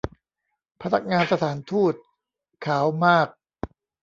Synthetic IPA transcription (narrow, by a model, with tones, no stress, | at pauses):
pʰa˧na˦˥k̚ŋaː˧nsa˧t̪ʰaː˩˦nt̪ʰuː˥˩t̪̚ | kʰaː˩˦wmaː˥˩k̚